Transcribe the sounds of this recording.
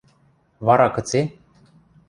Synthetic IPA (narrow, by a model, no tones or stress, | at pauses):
vaɾakət͡se